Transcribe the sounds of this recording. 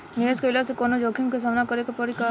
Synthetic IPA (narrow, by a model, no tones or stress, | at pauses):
nieskəɪlasekonod͡ʒoːkʰiŋkes̬aːmnakəɾekepəɾika